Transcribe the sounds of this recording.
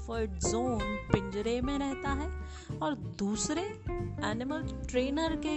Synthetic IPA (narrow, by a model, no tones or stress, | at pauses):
fəʈzoːnpɪ̃ɲd͡ʒɾemẽɾɛɦt̪aɦɛː | ɔːɾd̪uːsɾe | ɛːnɪməlʈɾeːnəɾke